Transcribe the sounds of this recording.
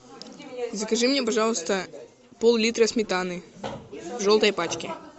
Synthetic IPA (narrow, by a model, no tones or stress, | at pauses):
zɐkɐʐɨmnʲɛpɐʐɑlˠst̪ɐ | polˠlʲit̪ɾɐsmʲɪt̪anɨɪ | vʐɔlˠt̪ɐjpat͡ʃkʲɪ